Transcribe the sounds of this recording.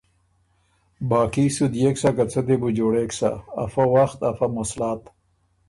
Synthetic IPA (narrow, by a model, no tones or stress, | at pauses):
baːkisud̪jeksakat͡sʰət̪ebud͡ʒoːɽeːksa̰ːfawaxt̪afamoslaːt̪